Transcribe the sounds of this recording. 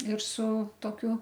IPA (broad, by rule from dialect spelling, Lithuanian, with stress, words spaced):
ɪr sʊ toːˈkʲʊ